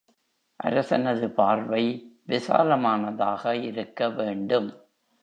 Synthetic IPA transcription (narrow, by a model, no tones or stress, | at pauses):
ʔɐ̰ɾɐsɐnɐðɯpaːɾʋɐɪʋɪsa̰ːɾɐmaːnɐðaːɣɐɪɾɯkːɐʋeːɳɖɯm